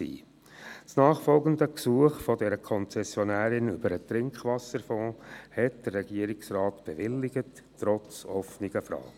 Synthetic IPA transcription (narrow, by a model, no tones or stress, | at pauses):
ḭː | snɑːχfɔlɡənd̪əksuəχfɔdɛɾəkʰɔnt͡sɛsjɔnæːɾɪnʏbəɾətɾɪŋkχʋɑsəɾfɔ̃ːhɛt̚d̥ərːɛɡ̥iːəɾɪksrɑːtb̥ɛʋɪlːɪɡətː | ɾɔt͡sɔfnɪɡ̥əfɾɑ̰ːɡə